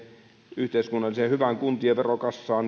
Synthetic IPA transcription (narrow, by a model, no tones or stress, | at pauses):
yht̪eˑiskunːɑlˑisehyʋæŋkunt̪ieʋʋerokɑsːɑːn